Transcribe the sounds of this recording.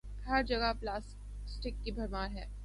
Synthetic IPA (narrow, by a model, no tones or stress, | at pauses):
ɐːɾd͡ʒɐɡaplaːs | sʈɪkːibʱɐɾmaːɾɦɛː